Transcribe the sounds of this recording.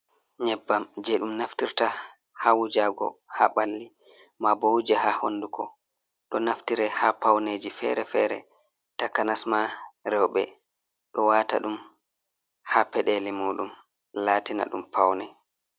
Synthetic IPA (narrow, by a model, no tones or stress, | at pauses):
ɲɛbːamd͡ʒɛɗumnaftiɾta | hawud͡ʒaɡɔ̰ha̰ɓalːimabowd͡ʒɛhahondukʰɔ | ɗɔnaftiɾɛhapawned͡ʒifɛ̰ɾɛfɛ̰ɾɛ̰ | takːanasmaɾɛwɓɛ̰ | ɗɔwaːta̰ɗum | hapɛɗelimuːɗum | laːtina̰ɗumpʰawnɛ